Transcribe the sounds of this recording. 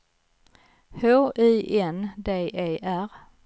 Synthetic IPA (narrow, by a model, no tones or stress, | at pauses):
hoːʔiːʔɛnd̪eːʔeːʔæɾ